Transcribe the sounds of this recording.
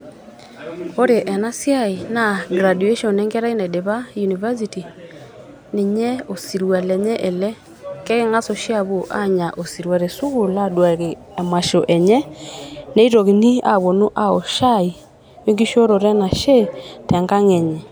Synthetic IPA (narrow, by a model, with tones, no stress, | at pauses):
o˦ɾe˨ʔɛ˨na˦sja˦i˨na˨ɡɾa˨du˨e˦ʃɔ˨nɛ˦ŋɡɛ˦ɾa˦i˦nɛ˨de˨βa˦ju˨ni˨va˦s̬i˨ti˨ | ne˨ɲɛ˦o˨si˨ɾwa˨lɛ˨ɲɛ˦ʔe˨lɛ˦ | kɛ˦ke˦ŋa˦so˨ʃja˦βo˨ʔa̰˦ɲa˨ʔo˨si˨ɾwa˨ɾe˨su˦ɣu˨la˦dwa˨ɣe˨ | a˨ma˨ʃo˨ʔɛ˨ɲɛ˦ne˦i˦ɾo˨ɣi˨ni˦a̰˨βo˨nu˦ʔa˦o˨ʃa˦i˨ | we˦ŋɡi˦ʃo˦ɾo˨ɾɛ˦na˨ʃɛ˦tɛ˨ŋɡa˦ŋɛ˨ɲɛ˨